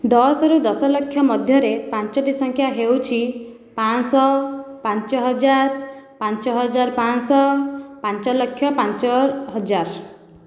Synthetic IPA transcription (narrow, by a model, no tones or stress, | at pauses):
d̪ɔsɔɾud̪ɔsɔlɔkʰːjɔmɔd̪ʱjɔɾepant͡ʃɔʈisɔŋkʰjaɦewt͡ʃʰi | pansɔpant͡ʃɔɦɔd͡ʒaɾpant͡ʃɔɦɔd͡ʒaɾpansɔpant͡ʃɔlɔkʰjɔpant͡ʃɔɦɔd͡ʒaɾ